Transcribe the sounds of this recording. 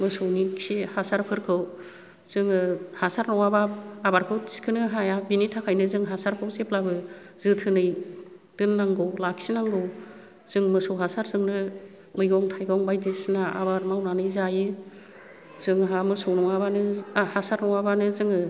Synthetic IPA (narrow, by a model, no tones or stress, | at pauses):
mɯsɔwniksihasaɾpʰɯɾkʰɯw | z̥ɯŋɯhasaɾnɔwabaːbaɾkʰɯwti̥skʰɯnɯɦajabinitʰakʰajnɯzɯŋɦasaɾkʰɯwzeplabɯ | zɯtʰɯnɯj | d̥ɯnːaŋɡɯwlaksinaŋɡɯw | z̥ɯŋmɯsɔwɦasaɾzɯŋnɯ | mɯjɡɔŋtʰajɡɔŋbajdesnaʔa̰baɾmawnanɯjzajɯ | zɯŋɦamɯsɔwnɔŋabanɯahasaɾnɔwabanɯzɯŋɯ